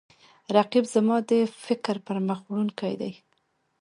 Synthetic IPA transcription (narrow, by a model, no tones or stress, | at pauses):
ɾaqibzamɑd̪əfɪkɾpəɾməxwɽunkajd̪a̰j